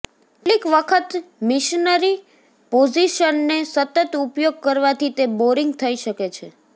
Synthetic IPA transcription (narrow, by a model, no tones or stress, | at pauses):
eʈlikʋəkʰət̪mɪʃnəɾi | pod͡ʒiʃənːesət̪ət̪upjoɡ̚kəɾʋat̪ʰit̪eboɾiŋɡ̚t̪ʰəiʃəket͡ʃʰe